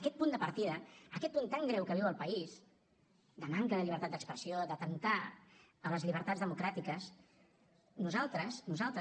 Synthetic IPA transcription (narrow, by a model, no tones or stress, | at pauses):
kɛt̪̚pund̪əpəɾt̪iðəːkɛt̪̚punt̪aŋɡɾɛwkəβiwəlˠpəis | d̪əmaŋkələʎiβɾt̪at̪d̪əkspɾəsiod̪ət̪ənt̪aələzʎiβ̞əɾt̪adzðəmukɾat̪ikəs | nuzalˠt̪ɾəsnuzalˠt̪ɾ